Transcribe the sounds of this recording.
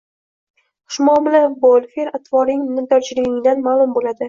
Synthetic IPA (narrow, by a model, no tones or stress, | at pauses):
χʊ̥ʃmɒmlabolˠfeɾat̪vɒɾɪŋnɪt̪ɒɾt͡ʃʰɪlɪɡʲɪŋɪd̪anmaːlˠʊmbolad̪ɪ